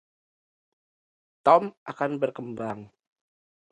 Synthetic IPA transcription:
t̪ɔmʔakanbərkəmbaŋ

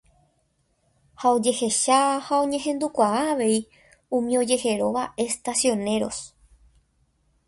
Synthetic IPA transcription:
hao̞d͡ʒe̞he̞ʃahaõ̞ɲẽ̞ɦẽ̞nd̪ukʷaaːʋe̞i | ũmĩo̞d͡ʒe̞he̞ɾo̞ʋaʔe̞st̪asjo̞ne̞ɾo̞̰s

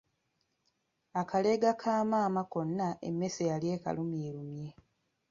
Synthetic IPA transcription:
akʰale̞ɡakʰaːmaːmako̞nːaʔḛmːesejalje̞ːka̰lumiːlumje̞

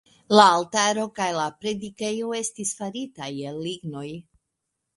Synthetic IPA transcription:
laːltaɾo̞kajlapɾe̞dike̞joe̞stisfaɾitajelːiɡno̞j

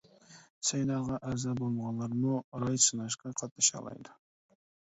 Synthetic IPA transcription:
sejnɑʁɑʔæzabolˠmʁɑnlˠɑɾmʊɾɑjsɨnɑʃkɑqʰɑt̪̚nɑʃɑ̰lˠɑ̰jd̪ɪ

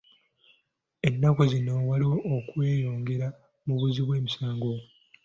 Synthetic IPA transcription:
e̞nːakozino̞waliwoːkwe̞ːjo̞ːŋɡe̞ɾa | muβuziβwe̞ːmisaːŋɡo

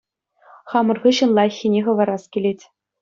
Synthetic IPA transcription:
χɑmɤ̆rʁɯɕɤ̆nlˠɑxʲinʲeχɤ̆ʋɑ̆ɾɑskʲilʲetʲ

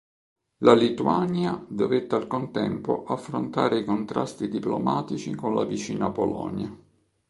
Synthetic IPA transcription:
lalit̪uanjad̪ovet̪ːealkont̪ɛmpo̰ʔafːɾont̪aːɾeikont̪ɾast̪id̪iplomaːt̪it͡ʃikonlavit͡ʃiːnapolɔ̰nja

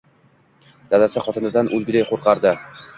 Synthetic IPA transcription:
d̪ad̪asɪχɒt̪ʰɪnɪd̪anʔɵlˠɡʲɪd̪ejqʰoɾqʰɑɾd̪ɪ

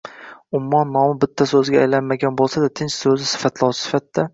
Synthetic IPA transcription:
ʊmːɒnːɒmɪbɪt̪ʰːasɵzɡʲaajlanmaɡʲanbolˠsad̪at̪ʰɪnt͡ʃsɵzɪsɪ̥fat̪ʰlˠɒsɪsɪ̥fat̪d̪ːa

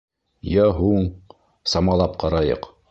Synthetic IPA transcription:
jæɦuɴ | sɑmɑlˠɑp̚qʰɑɾɑjɤ̰q

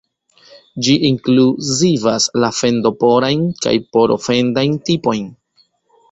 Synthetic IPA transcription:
d͡ʒiʔiŋkluzivaslafe̞ndo̞po̞ɾajnka̰jpo̞ɾo̰fe̞ndajntipo̞jn

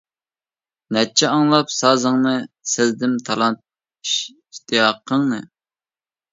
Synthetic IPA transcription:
nɛt͡ʃʰɛɑŋlˠɑpsɑːzəŋnɨsɪzd̪ɪmt̪ʰɑlˠɑnt̪̚ | iʃ | iʃt̪ɨjɑqʰːəŋnɨ̰

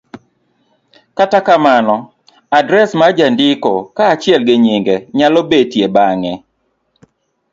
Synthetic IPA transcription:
katakamanɔ | adɾɛsmad͡ʒandɪkokaːt͡ʃɪɛlɡɪɲiŋɡeɲalɔbetjebaŋɛ

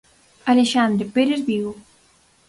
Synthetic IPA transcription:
aleʃand̪ɾepeɾezβiɣo

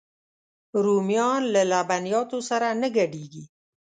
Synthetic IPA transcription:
ɾumijɑnlalabanijɑt̪osaɾanəɡaɖiɡi

